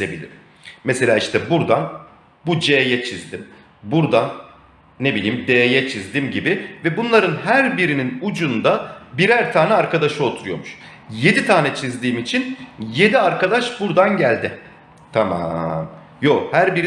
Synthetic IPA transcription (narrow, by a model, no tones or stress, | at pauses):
zebḭlʲḭɾ | mɛselʲaːiʃt̪ɛbuɾd̪an | bud͡ʒeːjɛt͡ʃʰizd̪im | buɾd̪anː | ebilʲiːmd̪eːjɛt͡ʃʰizd̪imɟibivɛbunlˠaɾɯnhæɾbiɾininud͡ʒund̪abiɾæɾt̪ʰaːnɛaɾkad̪aʃɯo̞t̪ʰuɾujo̞ɾmuʃ | je̞d̪it̪ʰaːnɛt͡ʃʰizd̪iːmit͡ʃʰinje̞d̪iaɾkad̪aʃbuɾd̪anɟælʲd̪ɪ | t̪ʰamam | johæɾbiɾi